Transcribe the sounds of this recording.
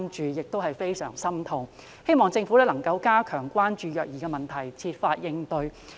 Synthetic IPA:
mt͡ʃyː˨jɪ˨k̚t̪o˥whɐ˨jfe˥jsœː˨˩ŋsɐ˥mt̪ʰʊ˧ŋ | he˥jmɔː˨ŋt͡sɪ˧ŋfu˨˥ɛ˥lɐ˨˩ŋkɐ˧wkaː˥kʰœː˨˩ŋkʷaː˥nt͡ʃyː˨˧jœː˨˩k̚jiː˨˩ɡɛ˧mɐ˨˩nt̪ʰɐ˨˩jt͡sʰiː˧t̚faː˧t̚jɪ˧ŋt̪ɵ˧ɥ

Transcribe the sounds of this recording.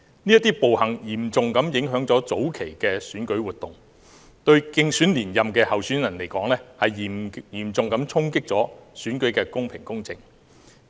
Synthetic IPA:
niː˥ɐ˥t̪iː˥po˨whɐ˨˩ŋjiː˨˩mt͡sʊ˨ŋkɐ˨˥mjɪ˨˥ŋɦœː˨˥ŋt͡sɔː˨˥t͡so˨˥wkʰe˨˩jkɛː˧syː˨˥nkɵ˨˥ɥwuː˨t̪ʊ˨˩ŋ | t̪ɵ˧ɥkɪ˧ŋsyː˨˥nliː˨˩njɐ˨mkɛː˧hɐ˨wsyː˨˥njɐ˨˩nle˨˩jkɔː˨˥ŋlɛː˥hɐ˨jjiː˨˩mt͡sʊ˨ŋkɐ˨˥mt͡sʰʊ˥ŋkɪ˥k̚t͡sɔː˨˥syː˨˥nkɵ˨˥ɥkɛː˧kʊ˥ŋpʰɪ˨˩ŋkʊ˥ŋt͡sɪ˨˩ŋ

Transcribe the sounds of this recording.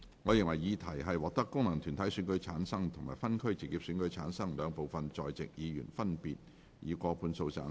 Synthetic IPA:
ŋɔː˨˧jɪ˨ŋwɐ˨˩jjiː˨˧t̪ʰɐ˨˩jɦɐ˨jwɔː˨k̚t̪ɐ˥kːʊ˥ŋlɐ˨˩ŋt̪ʰyː˨˩nt̪ʰɐ˨˥jsyː˨˥nkɵ˨˥ɥt͡sʰaː˨˥nsɐ˥ŋt̪ʰʊ˨˩ŋmaː˨˩jfɐ˥nkʰɵ˥ɥt͡si˨˩kːiː˧p̚syː˨˧˥nkɵ˨˥t͡sʰaː˨˥nsɐ˥ŋlœː˨˧ŋpo˨wfɐ˨nt͡ʃɔː˨jt͡sɪ˨k̚jiː˨˧jy̰ː˨˩nfɐ˥npiː˨t̚ | jiː˨˧kʷɔː˧pʰuː˧nso˧wt͡sa̰ː˧

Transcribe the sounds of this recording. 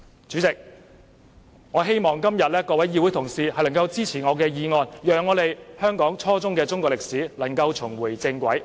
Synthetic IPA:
t͡ʃyː˨˥t͡sɪ˨k̚ | ŋɔː˨˧ɦe˥jmɔː˨˩ŋkɐ˥mjɐ˨t̚lɛː˥kɔː˧wɐ˨˥jiː˧wu˨˥jt̪ʰʊ˨˩ŋsiː˨hɐ˨˩jlɐ˨˩ŋkɐ˧wt͡siː˥t͡sʰiː˨˩ŋɔː˨˧kɛː˧jiː˨˧ŋɔː˧njœː˨ŋːɔː˨˧le˨jhœː˥ŋkɔː˨˥ŋt͡ʃʰɔː˥t͡sʊ˥ŋkɛː˧t͡sʊ˥ŋkɔː˧lɪ˨k̚siː˨˥lɐ˨˩ŋkɐ˧wt͡ʃʰʊ˨˩ŋwuː˨˩jt͡sɪ˧ŋkʷɐ˨˥j

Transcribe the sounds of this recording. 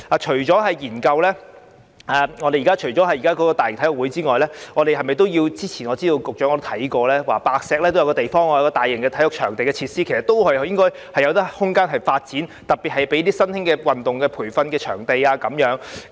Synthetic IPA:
aː˨t͡ʃʰɵ˨˩ɥt͡ʃɔː˨˥hɐ˨jjiː˨˩nkɐ˧wlɛː˥ | aː˨ŋɔː˨˧e˨jːkaː˥t͡ʃʰɵ˨˩jt͡ʃɔː˨˥hɐ˨˩jiː˨˩kaː˥kɔː˨˥kɔː˧t̪aː˨jt̪ʰjʊ˨k̚wuː˨˥jt͡siː˥ŋɔː˨jlɛː˥ŋɔː˨˧ɾe˨jɦɐ˨jmɐ˨˩jt̪̬o˥wjiː˧wt͡siː˥t͡sʰiː˨˩nŋɔ˨˧t͡siː˥t̪o˧wkʊ˨k̚t͡ʃœː˨˥ŋɔ˨˧t̪o˥t̪ʰɐ˨˥jkɔː˧lɛː˥waː˨˩paː˧k̚sɛː˧k̚lɛː˥t̪o˥wjɐ˧wkɔː˧t̪e˨jfɔː˥ŋɔ˧jɐ˧kɔː˧aː˨jɪ˨˩ŋkɛ˧t̪ʰɐ˨˥jʊ˨k̚t͡ʃʰœː˨˩ŋt̪e˨jkɛː˧t͡sʰiː˧t̚siː˥kʰsɐ˨˩t̪o˥whɐ˨˧jjɪ˥ŋkɔː˥j | hɐ˨jɐ˧wt̪ɐ˥hʊ˥ŋkaː˥nɦɐ˨jfaː˧t̚t͡siː˨˥nt̪ɐ˨t̚pːiː˨t̚hɐ˨jpe˨˥jt̪iː˥sɐ˥nt̪ʰɪ˥ŋkɛː˧wɐ˨nt̪ʊ˨ŋkɛː˧pʰuː˨˩jfɐ˧nkɛː˧t͡ʃʰœ̰ː˨˩ŋt̪e˨jaː˧kɐ˨˥mjœː˨˧˥ŋ

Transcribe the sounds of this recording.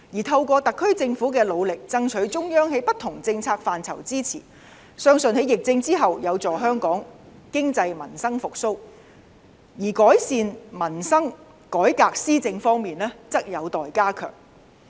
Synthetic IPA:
jiː˨˩t̪ʰɐ˧wkɔː˧t̪ɐ˨kʰːɵ˥ɥt͡sɪ˧ŋfuː˨˥k̬ɛː˧lo˨˧wlɪ˨k̚t͡sɐ˥ŋt͡ʃʰɵ˨˥ɥt͡sʊ˥ŋjœː˥ŋɦe˨˥jpɐ˥t̪ʰʊ˨˩ŋt͡sɪ˧ŋt͡sʰaː˧k̚faː˨˩nt͡sʰɐ̰˨˩wt͡siː˥t͡sʰḭː˨˩ | sœː˥ŋsɵ˨nhe˨˥jɪ˨k̚t͡sɪ˧ŋt͡siː˥ɦɐ˨wjɐ˨˧wt͡sɔː˨˩ɦœː˥ŋkɔː˨˥ŋ | kɪ˥ŋt͡sɐ˧jmɐ˨˩nsɐ˥ŋfʊ˨k̚so˥w | jiː˨˩kɔː˨˥jsiː˨˧nmɐ˨˩nsɐ˥ŋ | kɔː˨˥jkaː˧k̚siː˥t͡sɪ˧ŋfɔː˥ŋmiː˨nɛː˥t͡sɐ˥k̚jɐ˨˧wt̪ɔː˨jkaː˥kʰœ̰ː˨˩ŋ

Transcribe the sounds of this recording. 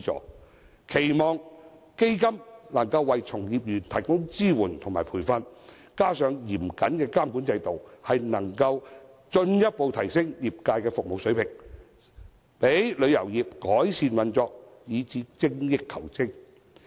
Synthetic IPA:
ɔ̰ː˨˥ | kʰe˨˩jmɔː˨ŋ | ke˥jkɐ˥mnɐ˨˩ŋkɐ˧wːɐ˨jt͡sʰʊ˨˩ŋjiː˨p̚jyː˨˩nt̪ʰɐ˨˩jkʊ˥ŋt͡siː˥wuː˨˩nt̪ʰʊ˨ŋmaː˨jpʰuː˨˩jfɐ˧n | kaː˥sœː˨˧ŋjiː˨˩mkɐ˨˥nkɛː˧kaː˥mkuː˨˥nt͡sɐ˧jt̪o˨whɐ˨jnɐ˨˩ŋkɐ˧w | t͡ʃɵ˧njɐ˥t̚po˨˧wt̪ʰɐ˨˩jsɪ˥ŋjiː˨p̚kaː˧jkɛː˧fʊ˨k̚mo˨˧wsɵ˨˥ɥpʰɪ˨˩ŋ | pe˨˥jlɵ˨˧ɥjɐ˨˩wjiː˨p̚kɔː˨˥jsiː˧nwɐ˨nt͡sɔː˧k̚jiː˨˧t͡siː˨˥t͡sɪ˥ŋjɪ˥kʰːɐ˨˩wt͡sɪ˥ŋ

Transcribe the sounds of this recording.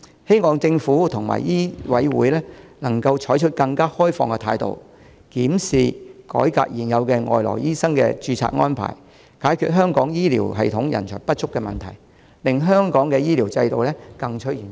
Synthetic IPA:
he˥jŋɔː˨˧ŋt͡sɪ˧ŋfuː˨˥t̪ʰʊ˨ŋma̰ː˨jiː˥wɐ˨˥jwṵː˨˥jlɛː˥nɐ˨˩ŋkɐ˧wt͡ʃʰɔː˨˥jt͡ʃʰɵ˥t̚kɐ˧ŋkaː˥hɔː˥jfɔ̰ː˧ŋkɛ˧t̪ʰaː˧jt̪o̰˨w | kiː˨˥msiː˨kɔ̰ː˨˥jka̰ː˧k̚jiː˨˩njɐ˨˧wkɛ˧ŋɔ̰ː˨˩jlɔ̰ː˨˩jiː˥sɐ˥ŋkɛ̰˧t͡ʃyː˧t͡sʰa̰ː˧t̚ŋɔː˥npʰa̰ː˨˩j | kaː˨˥jkʰyː˨t̚ɦœː˥ŋkɔː˨˥ŋjiː˥lḭː˨˩wɦɐ˨jt̪ʰʊ˨˥ŋjɐ̰˨˩nt͡ʃʰœ̰˨˩ŋpɐ˥t̚t͡ʃʰʊ˥kːɛ˧mɐ˨nt̪ʰɐ̰˨˩j | lɪ˨ŋɦœː˥ŋkɔː˨˥ŋkɛ˧jiː˥liː˨˩wt͡sɐ˧jt̪o˨wlɛː˥kɐ˧ŋt͡ʃʰɵ˥t̚iː˨˩n

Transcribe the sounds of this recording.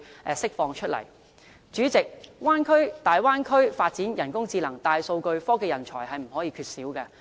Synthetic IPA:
ʔɛ˨˧sɪ˥k̚fɔː˧ŋt͡ʃʰɵ˥t̚lɐ̰˨˩j | t͡ʃyː˨˥t͡sɪ˨k̚waː˥nkʰɵ˥ɥt̪aː˨jwaː˥nkʰɵ˥ɥfaː˧t̚t͡siː˨˥njɐ˨˩nkʊ˥ŋt͡siː˧lɐ˨˩ŋt̪aː˧jso˧wkɵ˧ɥfɔː˥kɛː˧jɐ˨˩nt͡ʃʰɔː˨˩jɦɐ˨jm̩˨˩ɦɔː˨˥jiː˧kʰyː˧t̚siː˨˥wkɛː˧

